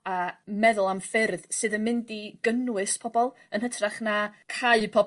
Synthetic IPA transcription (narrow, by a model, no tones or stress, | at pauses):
amɛðʊlˠamfɪrðsɨːðənmɪndiɡ̥ənwɨspʰɔbɔlˠ | ənhɦətʰraχnakʰaɨpʰɔ